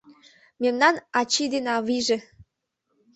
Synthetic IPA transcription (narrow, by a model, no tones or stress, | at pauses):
memnɑnɑt͡ɕid̪enɑβiʒe